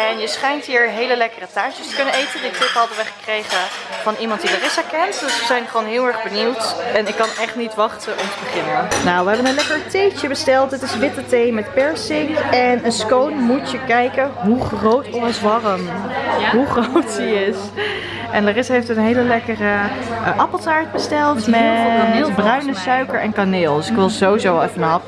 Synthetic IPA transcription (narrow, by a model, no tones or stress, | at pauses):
ɛnjəsχɛjntɦiːɹɦejləlɛkərətaːt͡ʃəstə̥kɵnənejtənditɪpɦɑdəʋəχə̥krejχəv̥ɑnimɑnt̚dilarɪsakɛntdøsʋəzɛjnχʋoːnɦɪːlˠɛɹχbəniwtɛnɪkːɑnɛχtnitʋɑχtənɔmtəbəχɪnənawʋəɦɛbənənlɛkəɹtejt͡ʃəbəstɛlˠtətɪsʋɪtətejmɛtpɛɹsɪŋɛnənskownmutjəkɛjkənɦuχrowtɔsʋɑrəmɦuχrowtsiɪs | ʔɛndərɪsɦejftənɦejləlɛkərəʔɑpəlˠsaːɹd̚bəstɛlˠtmɛbrœɥnəsœɥkəɹɛnkanɪːlˠdʏsɪkʋɪlˠzoizowlˠɛfənɑp